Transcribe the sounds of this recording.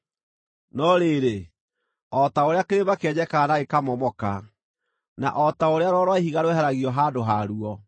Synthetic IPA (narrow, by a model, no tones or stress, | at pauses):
nɔɾeɾe | ɔtaoɾeakeɾemakɛɲɛkaːnaekamɔmɔka | na̰ʔɔtaoɾeaɾɔɾwaeɦiɣaɾwɛɦɛɾaɣiɔɦaːdoɦaɾuɔ